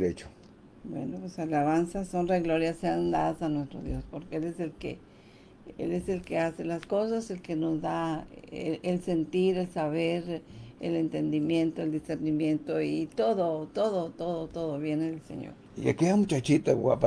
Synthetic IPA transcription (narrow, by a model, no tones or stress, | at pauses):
ɾet͡ʃo̥ | bwḛnopwesalaβansaso̞nreɣloɾjaseand̪aðasanwe̞st̪ɾo̰ðjo̞spo̞ɾkeeleselkḛ | ḛlese̞lkeaselasko̞sase̞lkeno̞zða | else̞nt̪iɾelsaβeɾḛlent̪e̞nd̪imje̞nt̪oeld̪iseɾnimjẽ̞nt̪oit̪oðot̪oðot̪oðot̪oðoβje̞neðelsḛɲo̰ɾjakeamut͡ʃat͡ʃit̪awa̰pa